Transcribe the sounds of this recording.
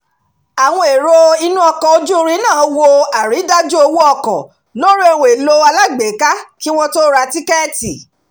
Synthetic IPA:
a˨w̃ɔ̃˧e˨ɾo˧i˧nũ˦ɔ˧kɔ̃˨o˧d͡ʒu˦˧ɾĩ˦nãː˦˨˦wo˧a˨ɾi˨˦da˦d͡ʒu˦o˧wu˦ɔ˦˧kɔ̰˨ | no˦ɾe˧˨w̃e˨lo˧a˧la˦ɡ͡be˨˦ka˦ki˦w̃ɔ̃˦to˦ɾa˧ti˦kɛ˦ti˨

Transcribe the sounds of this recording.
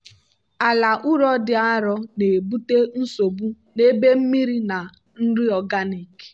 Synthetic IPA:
a˨la˨ʔʊ˦ɾɔ˦dɪ˨a˦ɾɔ˦ne˨bu˦te˦n̩˦so˨bu˦ | ne˦be˦m̩˦mi˦ɾi˦na˨ | n̩˦ɾɪ˦ɔ˨ɡa˦ni˨k

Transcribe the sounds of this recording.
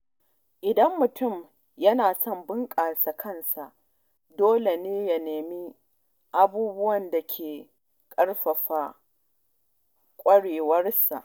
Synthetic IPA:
ʔɪ˨dɐ˦mːʊ˨tʊ˦˨m | jɐ˦naː˨sɔ˦˨mbɪ˦ŋkʼaː˨sa˨kʰɐ˦nsa˨ʔ | doː˦le˨neː˦ja˨neː˨mi˦ | ʔa˦buː˦bʊ˦wɐ˨nda˨kʲʰeː˨ | kʼɐ˦rɸɐ˨ɸa˨ | kʷʼɐ˦ɽeː˨wɐ˦rsa˨ʔ

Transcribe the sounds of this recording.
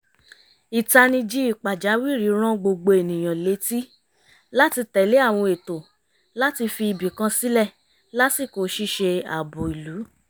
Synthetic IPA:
i˨ta˧nĩ˧d͡ʒi˦i˦˨k͡pa˨d͡ʒa˨˦wi˦˨ɾi˨˦ɾ̃ã˦ɡ͡bo˧ɡ͡bo˧e˨nĩ˨j̃ã˨le˨˦ti˦ | la˦ti˧tɛ˨le˨˦a˦˨w̃ɔ̃˧e˨to˨ | la˦ti˧fi˧i˨bi˨kã˧si˦lɛ˦˨ | la˦ti˦˨ko˨˦ʃi˦ʃe˧a̰˨bo˨i˨lu˨˦

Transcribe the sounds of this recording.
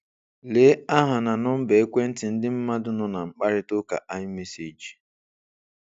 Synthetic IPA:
leː˦a˦ɦa˨na˨nʊ˦m̩˦be˨e˦kʷe˦n̩˦tɪ˨n̩˦dɪ˦m̩˦ma˦dʊ˦nʊ˦na˨ŋ͡m̩˨k͡pa˦ɾɪ˦tʊ˦ka̰˨ʔa˦ɲɪ˦me˦si˨d͡ʒi˨

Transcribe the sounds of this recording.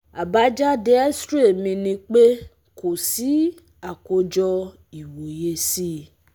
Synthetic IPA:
a˨ba˦d͡ʒa˦de˧˦a˦stɾe˦˨mĩ˧nĩ˧k͡pe˦ | kʰo˨si˨˦ | a˨ko˧d͡ʒɔ˧ | i˨wo˨je˧si˦

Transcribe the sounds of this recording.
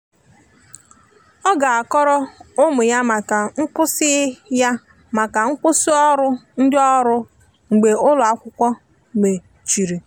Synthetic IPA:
ɔ˦ɡa˨a˨kɔ˦ɾɔ˦ʊ˦mʊ˨ja˦ma˨ka˨ŋ̩˦k͡pʊ˦sɪ˦ɪ˦ja˦ | ma˨ka˨ŋ̩˦k͡pʊ˦si˦ɔ˦ɾʊ˦n̩˦dɪ˦ɔ˦ɾʊ˦ | ŋ͡m̩˨ɡ͡be˨ʊ˦lʊ˨a˦kʷʊ˦kʷɔ˦ | me˨ | t͡ʃi˨ɾi˨

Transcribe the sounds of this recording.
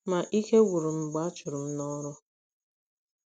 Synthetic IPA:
ma˨ʔi˦ke˦wu˨ɾu˨m̩˨ɡ͡ba˨˦t͡ʃʊ˨ɾu˨m̩˦nɔ˦ɾʊ˦

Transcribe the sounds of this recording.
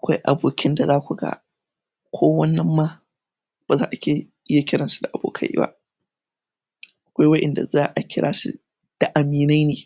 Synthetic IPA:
ʔa˨kʷa˦jʔa̰˨boː˨kʲʰɪ˦nda˨zaː˦kʷu˨ɡa̰˨ | kʷʰoː˦wɐ˦nːɐ˦mːaː˦ | b̥aː˨zaː˦ʔa˨kʲe˦ | ja˦kʲɪ˦ɽɐ˨nsu̥˦da˨ʔa˨bo̰ː˨kʰɐ̰˦jḭ˦ba̰˦ | ʔa˨kʷa˦jwɐ˦ʔɛ˨nda̰˨zaː˦ʔa˨kʲɪ˦ɽʔaː˦sṵ˦ | d̥a˨ʔa˨miː˨na˦jneː˨

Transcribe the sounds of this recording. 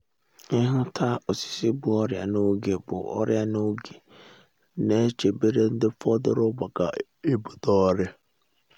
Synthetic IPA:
ɪ̃˦ɦʊ̃˦tʰa˦ɔ˨si̥˨sɪ˦bʊ˦ɔ˦ɾɪ˨a̰˨nʊ̃˦o˦ɡe˨bʊ̰˨ɔ̰˦ɾɪ˦a˨nʊ̃˦o˦ɡe˨ | nã˨˦t͡ɕʰe˨be˦ɾe˦n̩˦dɪ˦fɔ˦dɪ˦ɾʊ˦bɔ˨ɡa˨ | e˦bu˨dɔː˦ɾɪ˦

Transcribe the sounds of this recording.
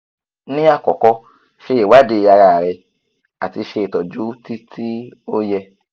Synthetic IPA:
nĩ˦a˧kɔ˨kɔ˧ | ʃe˧˦e˨wa˨˦de˧˨a˧ɾa˨ɾɛ˧ | a˨ti˧ʃe˧e˨tɔ˨d͡ʒu˦ti˦tʰi˦o˦jɛ˧

